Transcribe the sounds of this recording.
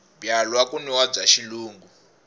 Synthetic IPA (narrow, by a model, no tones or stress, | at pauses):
bjalwakuniwab͡ʐaʃiluːŋɡu